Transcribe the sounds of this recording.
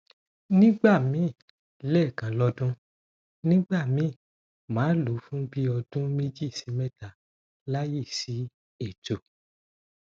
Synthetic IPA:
nĩ˦ɡ͡ba˦˨mĩ˨˦˨ | lɛ˦˨kã˨˦lɔ˧dũ˦ | nĩ˦ɡ͡ba˦˨mĩ˨˦˨ | mãː˨˦lu˨˦fũ˦bi˦ɔ˧d̥ũ˦me˦d͡ʒi˦˨si˨˦mɛ̃˦ta˨ | la˦ji˦˨si˨˦ | e˦˨to˨

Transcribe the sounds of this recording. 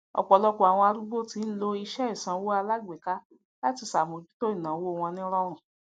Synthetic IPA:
ɔ̰˨k͡pɔ˨lɔ˧ko˨a˨w̃ɔ̃˧a˧ɾu˦ɡ͡bo˦ti˧˦n̩˦lo˧i˧ʃɛ˦i˦˨sã˧˦wo˦a˧la˦ɡ͡be˨ka˦ | la˦ti˨˧sa˨mõ˨d͡ʒu̥˦to˦i˦˨nã˨˦wo˦˨w̃ɔ̃˧nĩ˦ɾɔ˦ɾ̃ũ˨

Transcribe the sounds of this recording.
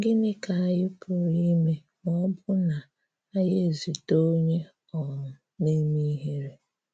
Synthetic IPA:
ɡɪ˦nɪ˦ka˨a˨jɪ˦pʰʊ˨ɾi˦me˨ | ŋɔ˦bʊ˦na˨ | a˦je˦˨zi˨to˦ɲe˦ | ɔ˨ | ne˦mi˦ɦe˦ɾe˨

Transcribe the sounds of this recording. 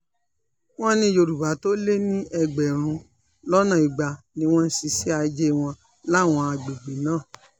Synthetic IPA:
w̃ɔ̃˦nĩ˧˦jo˧ɾu˨ba˨˦to˦le˦nĩ˦ɛ˧ɡ͡bɛ˨ɾ̃ũ˧ | lɔ˦nã˨i˨ɡ͡ba˨˧ | nĩ˧w̃ɔ̃˦n̩˦si˧si˦a˧d͡ʒe˦w̃ɔ̃˧ | la˦˨w̃ɔ̃˧a˧ɡ͡be˨ɡ͡be˨˦nãː˦˨

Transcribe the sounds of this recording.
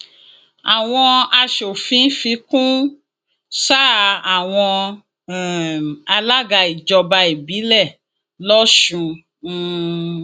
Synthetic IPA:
a˨w̃ɔ̃˧a˧ʃo˨fĩ˨˦fi˧kũ˦ | sa˦˨a˨w̃ɔ̃˧ | ɛ˨a˧la˦ɡa˧i˨d͡ʒɔ˧ba˧i˨bi˨˦lɛ˦˨ | lɔ˦ʃũ˧˦˧

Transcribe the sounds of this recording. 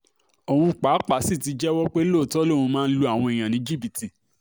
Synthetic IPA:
o˨hũ˧k͡pa˨˦k͡pa˨˦si˦˨ti˨˧d͡ʒɛ˦wɔ˦k͡pe˦lo˦˨tɔ˦lo˦˨ũ˧mãː˦˧n̩˦lu˧a˦˨w̃ɔ̃˧e˨j̃ã˨nĩ˨˦d͡ʒi˦bi˨ti˨

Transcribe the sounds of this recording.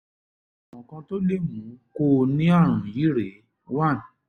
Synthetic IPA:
a˨mɔ̃˨kã˧to˦le˦˨mũ˨˦ko˦˨nĩ˦ɔ˦˨ɾ̃ũ˨ji˨˦ɾe˨˦ | wa˦˨n˨

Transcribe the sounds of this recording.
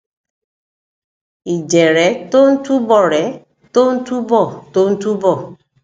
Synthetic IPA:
i˨d͡ʒe˨ɾɛ˨˦to˦n̩˦tu˦bɔ˦˨ɾɛ˨˦ | to˦n̩˦tu˦bɔ˦˨to˦n̩˦tu˦bɔ˦˨

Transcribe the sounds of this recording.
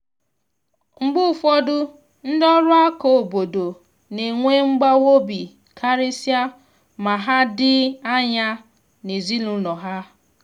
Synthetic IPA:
ŋ͡m̩˦ɡ͡bʊ˦˨fɔ˦dʊ˦ | n̩˦dɔ˦ɾʊ˦a˦ko˨o˨bo˨do˨ | ne˨ŋʷe˦ŋ͡m̩˦ɡ͡ba˦wo˦bi˨ | kʰa˦ɾe˦sja˦ | ma˨ɦa˦dɪ˦a˦ɲa˦ | ne˨zi˦lu˨nɔ˨ɦa˦

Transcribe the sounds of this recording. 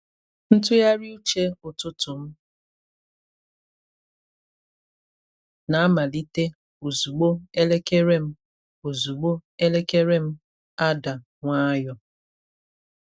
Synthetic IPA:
n̩˦tʊ˦ja˦ɾi˦u˦t͡ʃe˦o˨tʊ˦tʊ˨m̩˦ | na˨a˦ma˨li˦te˦ | o˨zu˨ɡ͡bo˦e˦le˦ke˦ɾe˦m̩˦ | o˨zu˨ɡ͡bo˦e˦le˦ke˦ɾe˦m̩˦ | a˦da˨ | ŋʷa˦jɔ˦

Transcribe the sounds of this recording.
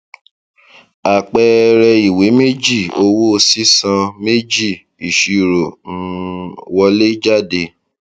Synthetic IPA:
a˨k͡pɛ˧ɾɛ˧i˨we˨˦me˦d͡ʒi˦˨o˧wo˦o˧si˦sã˧me˦d͡ʒi˦˨ | i˨ʃi˧ɾo˨nũ˦˧wɔ˧le˦d͡ʒa˦˨de˧

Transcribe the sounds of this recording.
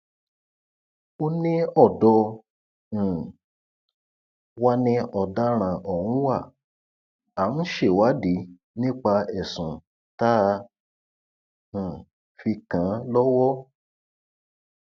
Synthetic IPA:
o˦nĩ˦ɔ˦˨dɔ̃˧˨ | wa˦nĩ˧ɔ˨da˦ɾ̃ã˧ʔɔ˨wũ˦wa˦˨ | a˨n̩˦ʃe˦˨wa˨˦di˨˦ | nĩ˦k͡pa˧ɛ˨sũ˨ | ta˦˧˨ | fi˧kã˨˦lɔ˦wɔ˦

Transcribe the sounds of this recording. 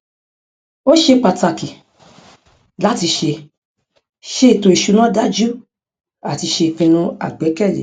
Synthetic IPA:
o˦ʃe˧k͡pa˨ta˧˨ki˨ | la˦ti˧ʃe˧ | ʃe˦˨to˧˨i˨ʃu˧nã˦da˦d͡ʒu˦ | a˨ti˧ʃe˧˨fĩ˧nũ˦a̰˦˨ɡ͡bɛ˨˦kɛ˦˨lḛ˨

